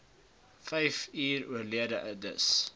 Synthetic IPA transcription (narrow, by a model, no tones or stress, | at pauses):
fɛjfiːruərliədəʔədəs